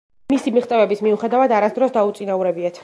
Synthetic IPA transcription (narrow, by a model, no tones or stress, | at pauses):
misimiχt̪sʼɛvɛbismiuχɛd̪avad̪aɾasd̪ɾɔsd̪aut̪sʼinauɾɛbiat̪ʰ